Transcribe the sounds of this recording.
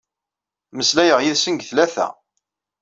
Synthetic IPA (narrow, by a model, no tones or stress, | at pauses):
məslæjəʁjɪðsənɡθlæθæ̰